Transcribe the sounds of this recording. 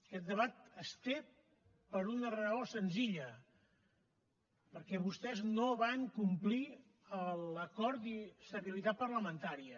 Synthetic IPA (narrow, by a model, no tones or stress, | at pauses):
əkɛt̪̚d̪əβat̪əst̪e | pəɾunərəosənziʎə | pəɾkɛβust̪ɛznoβaŋkumpli | ələkɔɾt̪ist̪əβilit̪at̪̚pəɾləmənt̪aɾiə